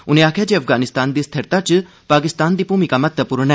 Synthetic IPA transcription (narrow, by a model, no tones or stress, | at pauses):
ʊnẽaːkʰjad͡ʒeɐfɡaːnɪst̪aːnd̪iːst̪ʰɐɾt̪at͡ʃɨ | paːkɪst̪aːnd̪ipuːmikamɐt̪ːəpʊɾnɛ